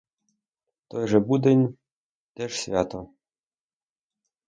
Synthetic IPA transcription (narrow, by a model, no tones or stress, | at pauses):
t̪ojʐĕbud̪ɘ̆nʲ | t̪ʲĕʂsʲvʲat̪o